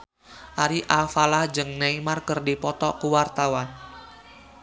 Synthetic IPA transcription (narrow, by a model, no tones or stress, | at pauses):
ʔaɾiʔalfalahd͡ʒɨŋneimarkɨrdipɔt̪ɔkuwart̪awan